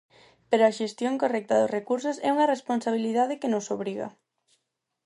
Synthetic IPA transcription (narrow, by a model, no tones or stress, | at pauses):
peɾoaʃest̪joŋkorɛk̚t̪ɐðʊsrekuɾsʊsɛuŋɐresponsaβ̞iliðað̞ɪkenosoβ̞ɾiɣa̰